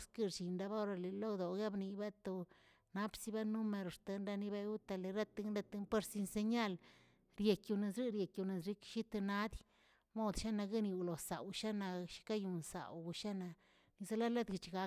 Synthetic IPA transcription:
ski˦ɾt͡ʃi˨nɾa˧ba˦˧ɾa˧le˨lo˦d̪o˨ɡe˦bni˨ba˦t̪o˧ | na˦psi˦ba˦nu˦me˧˨ɾo˨st̪a˨nɾa˧ni˧be˧ju˦t̪a˧le˨ɾa˦t̪e˧ɡe˧t̪e˧mpe˦ɾsi˧nse˧ɲa˦l | ɾje˨kju˧ne˨sɾi˦ɾje˨kju˧ne˨sɾi˦kʃi˦t̪e˧na˦d̪ | mo˦d̪ʃa˦na˧ɡi˦ni˨wlo˨sa̰˨wʃa˦na˨˧ʃi̥˦ka˦ju˨nsa̰˨wʃa˦na˨ | ni˧za˦la˦la˦d̪ɡi˨t͡ʃɡa˧

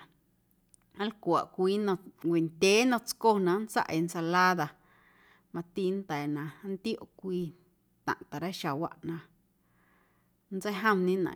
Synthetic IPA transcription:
ã˦lkʷa˨ʔkʷiː˦nõ˧ɡʷe˨nd̪ʲe˨˦nɔ̃˧t͡sko˦nã˧nt͡sa̰˦ʔe˧nsa˧laː˦ða˧ | mã˧t̪i˧˦nt̪ɛː˨nã˧˦nt̪jo˦˨ʔkʷiː˧ | t̪ã̰˨ʔt̪a˨ɾa˦ʃa˨wa̰˧ʔnã˧ | nt͡sə˦jɦə̃˦m˧nĩ˦nã̰˨

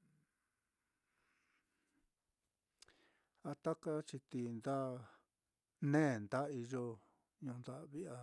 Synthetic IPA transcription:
a˧t̪a˦ka˦t͡ʃi˧t̪i˧nd̪a˦ | nẽː˦˨nd̪a˦i˧ʒo˧ | ɲũ˧nd̪a˦ʔβi˦ʔa˧

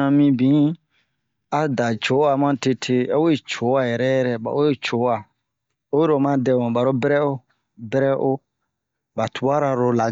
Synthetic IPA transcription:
ã˧mĩ˧bĩ˨˦ | a˨da˨t͡ʃo˨˦a˨mã˦te˧tʰe˧a˦we˦t͡ʃo˨˦wa˦jɛ˨ɾɛ˦jɛ˦ɾɛ˨ba̰˨o˦e˦t͡ʃo˨˦wa˨ | o˦e˦ɾo˨mã˦dɛ˨wõ˨ba˨ɾo˦bɛ˦ɾɛ˦o˦ | bɛ˦ɾɛ˦ʔo˦ | ba˨tu˨˦a˦ɾa˨ɾo˨la˨

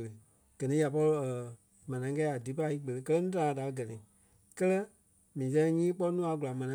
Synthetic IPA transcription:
lə˨ | ɡ̥ɜ˨nĩ˨˦ja˨p̬ɔ˧lo˧˦ə˨ | mã˨nã˨˦kɛ˧˦a˨di˨˦pa˧˦i˦k͡pə˨lə˧kɜ˦lɛ˦nũː˦tã˨˦da˨˧˦ɡɜ˨nĩ˨ | kɜ˦lɜ˦ | mĩː˨s̬ɛ̃˦˧˦ɲĩː˦k͡pɔ˦nũː˦a˨˧ɡu˨la˨mã˨nã˦

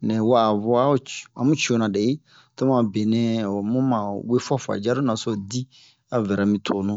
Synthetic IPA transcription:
nɛ̃˨wa˦˨vɔ˦a˦t͡ʃã˨mũ˦t͡ʃo˨nã˨dɛ˨je˦ | to˦mã˨be˨nɛ̃˦˨mũ˦mã˨we˦fa˦fa̰˨d͡ʒa˦ɾo˦na˨sɔ˦di˦ | a˨vɛ˨ɾa˨mĩ˨tʰo˨nũ˦˨

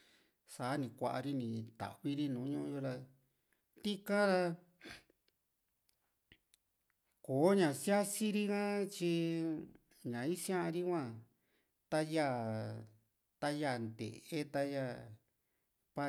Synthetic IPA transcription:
saː˨˦nĩ˧˨kʷa˧ʔa̰˧ɾi˦nĩ˧t̪a̰˨βi˦ɾi˧nũː˨˦ɲũ˦˧o˧ɾa˧ | t̪i˦kã˦ɾa˧ | koː˨˦ɲã˨si˦a˦si˦ɾi˦kã˦t͡ʃi˧ | ɲã˨i˦sj̃ã˦˧ɾi˦kʷã˦˧ | t̪a˦ja˦˧˨ | t̪a˦ja˦˧˨nd̪ḛ˨ʔe˦t̪a˧ja˧ | pa˧

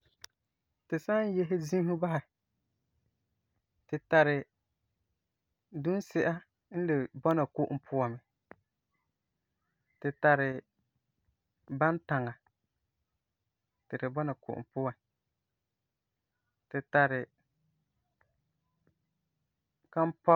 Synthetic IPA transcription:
tɪ˨sa˦n˦je˦ɦɪ˦zĩ˦hʊ˦ba˦hɪ˨ | tɪ˨ta˨ɾɪ˨ | du˦n˦sɪ˦ʔa˦ | n̩˦dɪ˨bɔ˦na˨kʊ˦ʔʊ˦˨pʰʊ˦wa˨mɪ˨ | tɪ˨ta˨ɾɪ˨ | ba˦nta˨ŋa˨ | tɪ˨dɪ˨bɔ˦na˨ko̰˨ʔm̩˨pʊ˦wa˨ | tɪ˨ta˨ɾɪ˨ | ka˦m̩˦pɔ˦

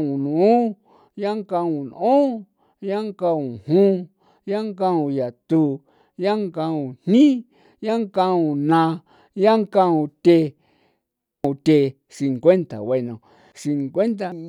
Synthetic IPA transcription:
ũ˨nũ˨ũ˦ | ja˦ŋkã˧ũ˧˨n˧õ˦ | ja˦ŋkã˧ũ˨hũ˦ | ja˦ŋkã˦˧ũ˧ja˨t̪u˧ | ja˦ŋkã˧ũ˨n̥nĩ˦ | ja˦ŋka˧ũ˧nã˧ | ja˦ŋkã˧ũ˧t̪ʲe˧ | ũ˧˨t̪e˨ | si˨ŋkʷe˦nt̪a̰˨we˧nõ˨ | si˧ŋkwe˦nt̪a˧˨

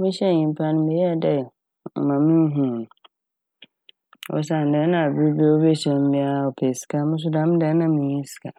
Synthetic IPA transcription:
mɪ̃˦ɕɛ˦˨ĩ˨m˨pʰa˦nɪ̃˦mɛ˨jɛ˦a˦˨dɛ˨ | mã˨mĩ˦ɦũ˦˨ñ˨ | wɔ̰˨s̬a˨n̩˨dɛ˦nã˨a˨bɪ˦ɾi˦bɛ˦wo˦bɛ˦ɕɛ˨m̩˦bɪ̃˦a˦˨ɔ˨pʰɛ˨si̥˨kʰa˦mʊ̃˦s̬ʊ˦dã˦m˦dɛ˨˦nã˦mĩ˦ɲĩ˦si̥˨kʰa˨

